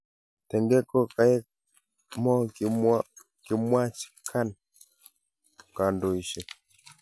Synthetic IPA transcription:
tɛ˨ŋɡɛ˦kɔ˦ka˨ɛ˦ | mɔ˦ | ki˨mwa˦t͡ʃi̥˦kʰa˦˨n | ka˨ndo˨i˨ʃɛ˨

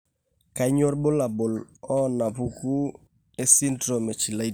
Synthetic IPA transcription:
ka˨˦ɲo˦ɾbʊ˦la˨bʊ˨lɔ˦na˨pu˦ku˦ | e˦si˦ntɾo˨me˨t͡ʃi˨la˨˦i˦

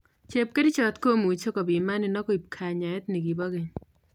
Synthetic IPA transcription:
t͡ʃe˨p̚ke˦di˦t͡ʃɔ˨t̪ko˦mu˨t͡ʃo˦kɔ˨bi˨ma˦ni˨nɔ˦ko˦i˨p̚kʰa˨ɲa˨ɛ˦t̪ni˨ɡi˨bɔ˦ɡe˨ɲ

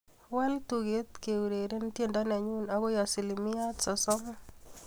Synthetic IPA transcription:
wɛ˦ltu˨ɡe˦t̪ke˨u˨ɾe˨ɾe˦ntje˦˨ndɔ˦nɛ˨ɲu˦nɔ˦ɡo˦jɔ˨si˨li˨mɪ˦ja˦t̪sɔ˨sɔ˦m

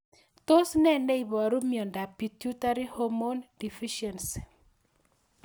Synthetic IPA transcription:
to˦snɛ˦nɛ˦i˨bɔ˨ɾu˦mjɔ˨nda˨pi˨tju˦ta˦ɾi˦ho˦mo˦ndi˨fi˦ʃɛ˨ns

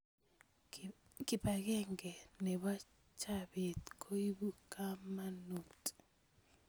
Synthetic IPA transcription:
kɪ˨pa˨ɡɛ˦ŋɡɛ˨ne˨βa˦ | t͡ʃa˦be˨t̪kʰo˦i˦bu˦ka˦ma˦nu˨t

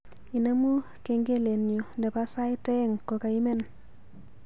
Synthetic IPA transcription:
i˨na˦mu˦ | ke˨ŋɡe˦le˨njo˨ndɛ˨pa˦sa˦ɪ˦tɛ˦ŋko˨ka˨i˦me˦n

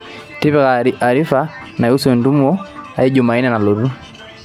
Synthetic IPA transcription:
ti˦βɛ˦ɣaa˨ɾi˦fa˦na˨ju˦sɛ˨ndu˦m˦ɔ˦a̰i˦d͡ʒu˨ma˨i˦nɛ˨na˨lu˨ɾu˦

